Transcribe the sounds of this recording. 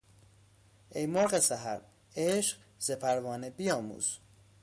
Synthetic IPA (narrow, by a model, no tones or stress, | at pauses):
ejmoɾɢesæɦæ̰ɾ | eʃɢ | zepʰæɾvɒːnebijɒːmṵːz̥